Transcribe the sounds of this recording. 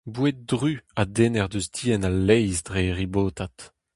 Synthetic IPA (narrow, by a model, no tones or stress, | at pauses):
bwet̚dʁyad̪eːnɛʁd̪øsdiːɛnalːɛjzdʁeʁiboːt̪at̪